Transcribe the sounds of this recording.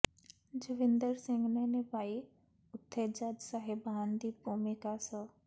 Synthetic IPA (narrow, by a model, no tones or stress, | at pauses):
d͡ʒəʋɪnd̪əɾsɪ̃ŋɡnenebaːi | ʊt̪ʰːed͡ʒad͡ʒsaɦeband̪ibʱumikasɔ